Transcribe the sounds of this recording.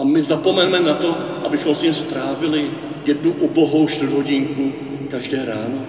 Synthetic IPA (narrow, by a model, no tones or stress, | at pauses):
ʔamɪzapomɛnmɛnat̪oʔa̰bɪxomsɲimst̪ɾaːvɪlɪ | jɛd̪nuʔuboɦowʃt̪ɪɾɦoɟiŋku | kaʒdɛːɾaːno